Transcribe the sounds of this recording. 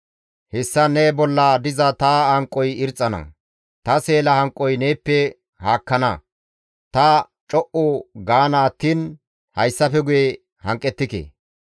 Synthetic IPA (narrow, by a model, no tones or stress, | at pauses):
hɛsːɐnebɔlːɐd̪ɪzɐt̪aːhɐŋkʼːɔjɪɾt͡sʼːɐnɐ̰ | t̪ɐseːlɐhɐŋkʼːɔjneːpːɛ | haːkːɐnɐ | t̪ɐ | t͡ʃʼɔʔʊɡaːnaːt̪ːiːn | hɐjsːɐfɛɡʊje | hɐŋkʼːɛt̪ːɪkḛː